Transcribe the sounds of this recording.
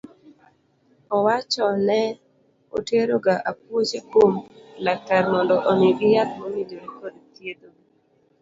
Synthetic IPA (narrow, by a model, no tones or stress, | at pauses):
ɔwat͡ʃɔnɛ | o̰teɾoɡaʔap̚wot͡ʃekomlataɾmɔndɔʔɔniɡɪjat̪mɔmidoɾikod̪t̪jed̪o